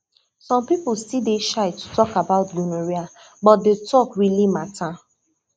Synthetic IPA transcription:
sɔ̃mpipʊlstideʃaɪtu̥tɔkabaʊtɡunoɹia | bɔt̚detʰɔkɹilimatʰa

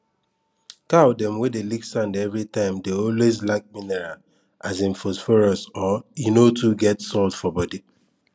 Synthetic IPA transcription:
kaʊdɛ̃mwedeliksãndɛvɹitãɪ̃mdeɔlwezlaɪk̚minɛɹal | azĩnfosfɔɹɔsɔinotuɡɛtsɔldfɔbɔdi

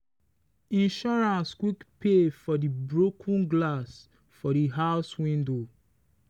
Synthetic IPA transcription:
ĩnʃɔɹãnskwikpefɔdibɹokʰũnɡlas | fɔdiɦaʊswĩndo

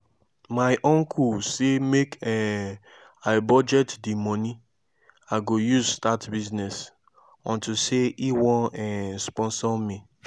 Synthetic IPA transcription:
maɪʔɔ̃ŋkʰusemekɛ | aɪbɔd͡ʒɛtdimɔni | aɡojuzstatbiznɛs | ɔ̰̃ntuseʔiwɔ̃ɛspɔ̃nsɔmi

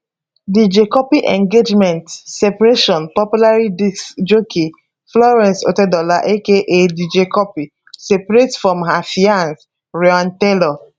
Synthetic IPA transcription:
did͡ʒekɔpiʔɛ̃ŋɡed͡ʒmɛ̃ntsepaɾeʃɔ̃npɔpjulaɹid͡ʒokʰe | flɔɹɛ̃nso̰tedɔlaʔekeʔedid͡ʒekɔpi | sepaɹetfɹɔ̃mɦafiãns | ɹeãntelɔ

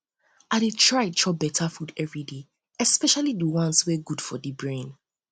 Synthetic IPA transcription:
aɪɾetʰɹaɪtʰɹɔbɛtʰafudɛvɹide | ɛspɛʃalidəwɔ̃nsweɡud̥fɔdibɹẽn

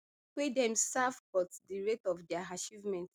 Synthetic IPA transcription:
wedɛ̃msavbɔtdiɹetɔvdɛaat͡ʃivmɛ̃nt

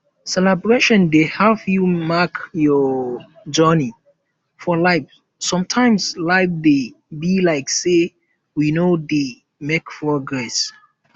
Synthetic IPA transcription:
sɛlɛbɹeʃɔ̃ndehavjumakjɔ | d͡ʒɜni | fɔlaɪf | sɔ̃mtʰãɪ̃mslaɪfde | bilaɪkse | winode | mekpɹɔɡɹɛs

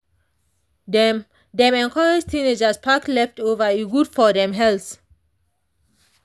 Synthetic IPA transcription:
dɛ̃mɛ̃nkʰɔɹɪd͡ʒtʰined͡ʒəspʰaklɛftovəiɡudfɔdɛ̃mɦɛls

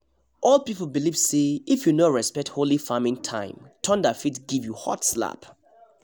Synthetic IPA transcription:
ʔɔlˠpipl̩ˠbilivseifjunoɹɛspɛk̚tholifamɪ̃ŋtʰã̰ɪ̃mtʰɔ̃ndafitɡivjuhɔ̰tsla̰p

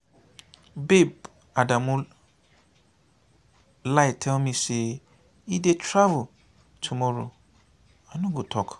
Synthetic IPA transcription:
beb̚ | adãmũ | laitʰɛ̃mĩse | idetɾavu | tʰumoɾo̰ | anũɡotʰɔk

